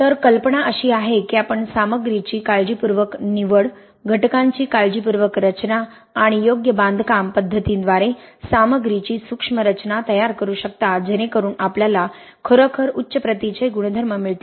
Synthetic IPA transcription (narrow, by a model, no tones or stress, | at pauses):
t̪əɾkəlpəɳaʔəɕiːaɦekiapəɳsaməɡɾit͡ɕiːkaɭd͡ʑipuɾʋəkniʋəɭ | ɡʱəʈkãɲt͡ɕiːkald͡ʑipuɾʋəkɾət͡ɕnaː | ɽ̃ijoɡjəbãnd̪ʱkampəd̪ʱːət̪ind̪ʋaɾesaməɡɾit͡ɕiːsukʂməɾət͡ɕnat̪əjaɾkəɾuːɕək̚t̪ad͡ʑeñẽkəɾuːnapljala | kʰəɾəkʰəɾutːɕəpɾət̪it͡ɕəjɡuɽ̃əd̪ʱəɾməmiɭt̪i